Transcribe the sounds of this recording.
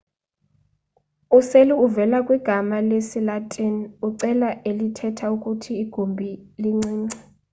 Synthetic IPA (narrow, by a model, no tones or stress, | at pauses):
useliuvɛlakʼwiɡ̥ʱamalesilatʼinuǀɛlaʔelitʰɛtʰaukʼutʰiːɡ̥ʱombʱiliŋ͡ǀiːŋ͡ǀa